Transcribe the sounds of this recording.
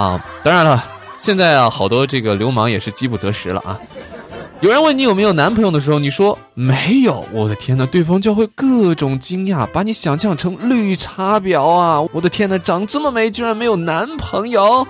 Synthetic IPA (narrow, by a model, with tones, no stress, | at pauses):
ɐ̰˧˩t̪ɑ˥ŋɻa˧˥nlə˧ | ɕjɛ˥˧nt͡sa˥˩ɪɐ˧xɑ˨˩ʊt̪wɔ˥ʈ͡ʂɤ˥˩ɡə˩ljo˧˥ʊmɑ˧˥ŋjɛ˨˩ʂɻ̩˥˩t͡ɕi˥pu˥˩t͡sɤ˧˥ʂɻ̩˧˥lə̰˧ʔɐ̰˨˩ | jo˨˩ɻə˧˥nwə˥˩ni˥jo˨˩me˧˥ɪjo˨˩ʊna˧˥npʰɤ˧˥jo˧d̪ə˩ʂɻ̩˧˥xʊni˨˩ʂwɔ˥ | me˧˥ɪjo˨˩˦ʊwɔ˨˩d̪ə˦t̪ʰjɛ˥nə˨t̪we˥˩ɪfɑ˥ŋt͡ɕjʊxwe˥˧ɪkɤ˥˩ʈ͡ʂʊ˨˩ŋt͡ɕi˥ŋja˥˩pa˧˥ni˧˥ɕjɑ˨˩ŋɕjɑ˥˩ŋʈ͡ʂʰɤ˧˥ŋly˥˩ʈ͡ʂʰa˥pjɑ˨˧˥ʊa˧wɔwɔ˨˩d̪ə˦t̪ʰjɛ˥nə˨ʈ͡ʂɑ˨˩˥ŋʈ͡ʂə˥˩mə˩me˧˥ɪt͡ɕjo˥ɻa˥nme˧˥jo˨˩ʊna˧˥npʰɤ˧˥ŋjo˥˧˩ʊ